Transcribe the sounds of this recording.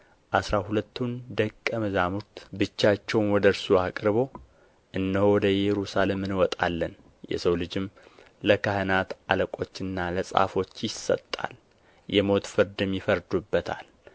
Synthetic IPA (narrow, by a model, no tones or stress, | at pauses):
ʔasɾahulət̪ʰːund̪əkʼːəməzamut̪bɨt͡ʃːat͡ʃːɛwnwɔd̪əɾsuakʼɾɨbo̞ | ʔɨnːəhowɔd̪əjɛɾusalemɨnwɔt̪ʼa̰lːən | jɛ̰səwlɨd͡ʒɪm | ləkʰahənat̪aləkʼo̞t͡ʃːɨnːaləsʼa̰fo̞t͡ʃːjɪsə̰t̪ʼːa̰l | jɛmo̞t̪fɨɾd̪ɨmjɪfəɾd̪ubːət̪ʰa̰l